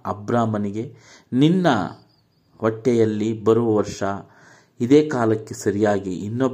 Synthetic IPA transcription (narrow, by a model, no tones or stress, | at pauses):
ɐbɾaːmɐniɡe̞ | ninːɐ̰ | ʋɐʈːɛjɐlːibɐɾuʋɐʋɐɾʂɐ | id̪eːkaːlɐkːesɐɾijaːɡiːnːɐb